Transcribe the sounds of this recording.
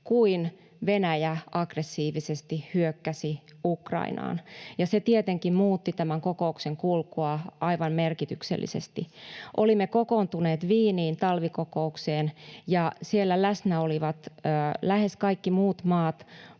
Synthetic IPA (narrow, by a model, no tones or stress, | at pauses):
kuin | ʋenæjæɑɡresːiːʋisest̪ihhyøkːæsiukrɑ̰ḭnɑ̰ːnjɑset̪iet̪eŋkimmuːt̪ːit̪æmæŋkokoukseŋkulkuɑʔɑiʋɑmmerkit̪yksḛlːḭsḛst̪iʔolimːekokont̪uneːt̪ʋiːniːnt̪ɑlʋikokoukseːnjɑsielːælæsnæoliʋɑt̪ːlæheskɑikːimuːt̪mɑːt̪